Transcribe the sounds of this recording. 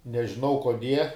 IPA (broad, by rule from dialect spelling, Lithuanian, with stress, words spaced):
nʲɛʒʲɪˈnɐʊ koːˈdʲiɛ